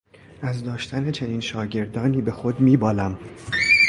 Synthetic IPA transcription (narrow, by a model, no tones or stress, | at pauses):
ʔæzd̪ɒːʃt̪ʰæne̞t͡ʃʰe̞niːnʃɒːɟe̞ɾd̪ɒːniːbe̞xod̪miːbɒːlæm